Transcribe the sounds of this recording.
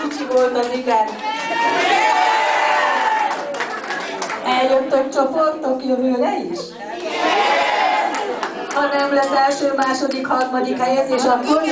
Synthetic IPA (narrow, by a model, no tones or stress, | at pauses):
it͡ʃiʋolt̪ɒziɡaːn | ɛljokt̪okt͡ʃoport̪ːokjoɦylɛiʃ | hɒnɛmlɛsɛlʃøːmaːʃod̪ikhɒrmɒd̪ikɛjɛzeːʃɒkon